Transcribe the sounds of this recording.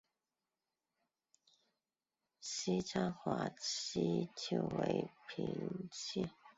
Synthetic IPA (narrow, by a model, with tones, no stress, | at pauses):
ɕi˥t͡sʰa˥ŋxwa˧˥i˥t͡ɕʰju˥˩ʊwe˧˦ɪpʰḭ˧˥ŋt͡ɕʰi˥˨